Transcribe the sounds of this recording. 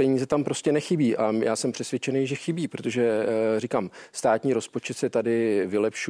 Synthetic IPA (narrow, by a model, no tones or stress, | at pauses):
pɛɲiːzɛt̪ampɾo̞scɛnɛxɪbiːʔajaːsɛmpr̝̥ɛsvʲjɛt͡ʃɛnejʒɛxɪbiːpɾot̪o̞ʒɛrɪkaːmst̪aːt̪ɲiːɾo̞spo̞t͡ʃɛt̪sɛt̪adɪvɪlɛpʃu